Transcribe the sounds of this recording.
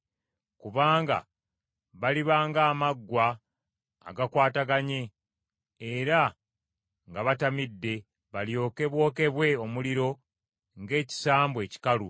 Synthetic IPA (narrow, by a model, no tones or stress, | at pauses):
kuβaːŋɡa̰ | βaliβaːŋɡaːmaɡːwa̰ː | ɡakwaːtaɡaɲe̞ː | ɾa | ŋɡaβatamidːe̞ | βaljo̞ːke̞βwo̞ːke̞βwe̞o̞muliɾo̞ | ŋɡe̞ːci̥saːmbwe̞ːci̥kalu